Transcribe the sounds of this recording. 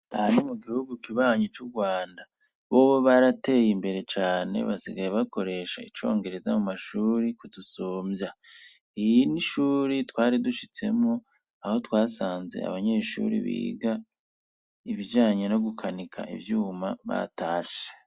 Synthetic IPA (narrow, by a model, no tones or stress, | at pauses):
ahanimuɡihuɡukiβaːɲit͡ʃuɡwaːnda | βo̞ːβo̞βaɾate̞ːjimbe̞ɾe̞t͡ʃaːne̞̰βasiɡajeβako̞ɾe̞ʃa̰it͡ʃo̞̰ːŋɡe̞ɾe̞zamumaʃuːɾikudusoːmja | ijiniʃuːɾitwaːɾiduʃit͡se̞mŋo | aho̞twaːsaːnze̞̰a̰βaɲe̞ːʃṵɾḭβḭːɡa | iβid͡ʒaːɲe̞no̞ɡukʰanikʰa̰ʔḭvjuːma̰βa̰taːʃe̥